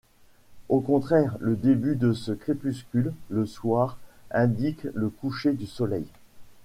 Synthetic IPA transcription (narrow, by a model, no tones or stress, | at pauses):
okɔ̃t̪χɛʁləd̪ebyd̪əsəkχepyskʲylːəswaːʁɛ̃d̪ikləkuʃed̪ysɔlɛ̰j